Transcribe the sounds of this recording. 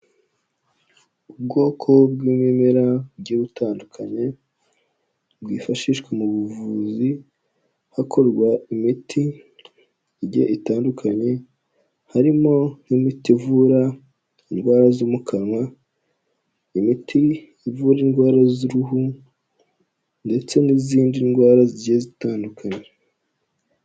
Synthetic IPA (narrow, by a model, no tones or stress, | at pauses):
ub̚ɡo̞ːkʰo̞bɡwiːmemeɾabɟeɾutaːndukʰaɲe̞ | bwiːfaʃiʃkwemuβuvuzi | hakʰo̞ɾɡwaimitʰi | iɟḛʔitaːndukʰaɲe̞ | haɾimo̞nimitivuːɾa | inɡwaːɾazoːmukʰanwa | imitʰi | ivuɾinɡwaːɾaziɾuɦu | nde̞t͡se̞niziːndinɡwaːɾaziɟezitaːndukaɲe